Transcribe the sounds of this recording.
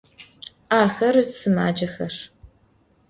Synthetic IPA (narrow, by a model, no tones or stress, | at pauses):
aːxɐrzsɨma̰ːd͡ʒɐxɐr